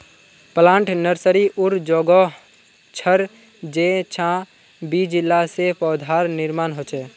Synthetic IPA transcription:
pəlãːɳʈnəɾsəɾiʔʊɾd͡ʒɔːɡɔ | t͡ʃʰəɾ | d͡ʒeːt͡ʃʰãː | biːd͡ʒɪlːasepɔːd̪ʱaːɾnɪɾmaːnɦot͡ʃeː

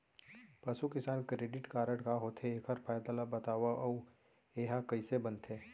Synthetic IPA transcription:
pɐsukɪsaːnkɾeːɖɪʈkaːɾəɽkaɦoːt̪ʰeeːkʰəɾpʰaːjd̪alabɐt̪aːʋaʔɐu | eɦãkɐisebɐnt̪ʰeː

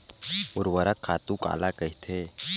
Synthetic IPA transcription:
ʊɾwəɾəkʰːaːt̪ũka̰ːlakəɦit̪ʰe

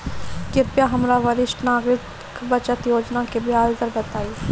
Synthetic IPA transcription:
kɪɾpjaɦɐmɾaʋɐɾɪʃʈnaːɡɾɪt | kbət͡ʃət̪joːd͡ʒnakebʱɪɦaːlzəɾbət̪aːi

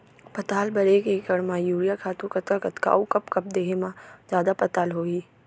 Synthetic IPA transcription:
pɐt̪aːlbɐɾekekɐɽmãːjuːɾijakʰaːt̪ũkɐt̪akɐt̪ka̰ːukɐpkɐp̚d̪eːɦemãd͡ʒjaːd̪apɐt̪aːlɦoːiː

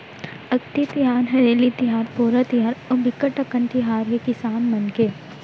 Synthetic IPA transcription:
ɐkt̪it̪ijaːnɦɐɾeːlit̪iɦaːɾpoːɾɐt̪iɦaːɾɐbikɐʈɐkɐ̃nt̪iɦaːɾjekisaːnmɐnke

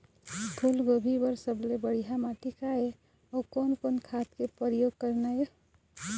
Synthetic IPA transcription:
pʰulɡobʱibəɾsəblebəɽiɦamaʈikae | okonkonkʰat̪kepəɾjoɡ̚kəɾnaj

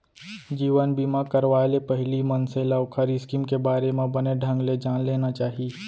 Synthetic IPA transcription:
d͡ʒiːʋənbimãkəɾʋaːelepɐɦɪlimənsẽlaʊkʰəɾiskiːmkebaːɾemẽbɐneɖʱɐ̃ŋɡled͡ʒaːnleːnat͡ʃaːɦiiː

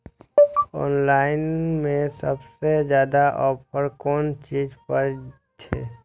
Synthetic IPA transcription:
ɔ̰ːnlaːɪnmẽsəbsezjaːd̪aʔɔːpʰəɾkɔːnt͡ʃiːd͡ʒpəɾ | t͡ʃʰḛː

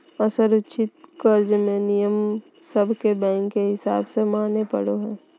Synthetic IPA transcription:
əsəɾʊtːʃʰɪt̪̚kəɾd͡ʒmẽnijəm | səbʱkebɛ̃ːŋkːeɦɪsa̰ːbsemaːnepə̰ɽoɦɛː

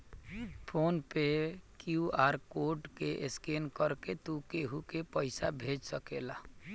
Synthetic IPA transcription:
pʰonpekjuaɾkoɖkeʔeskenkəɾket̪ukeɦukepəɪsabʱed͡ʒsəkela

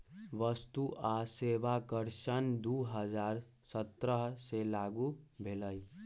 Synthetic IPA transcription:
ʋəst̪uʔaseʋakəɾʃənd̪uːɦəd͡ʒaːɾ | sət̪ɾəɦselaːɡubʱeləj

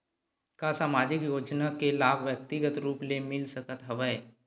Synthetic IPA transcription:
kasaːmaːd͡ʒɪkjoːd͡ʒnakelaːbʱʋjək̚t̪ɪɡət̪ɾuːplemɪlsəkət̪ɦɐʋəe

